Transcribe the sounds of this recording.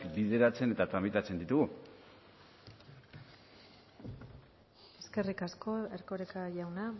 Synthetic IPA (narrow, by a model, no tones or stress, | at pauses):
kbið̞e̞ɾat͡se̞ne̞t̪at̪ɾamit̪at͡se̞nd̪it̪uɣu | e̞ske̞rikasko̞eɾko̞ɾekaʝawna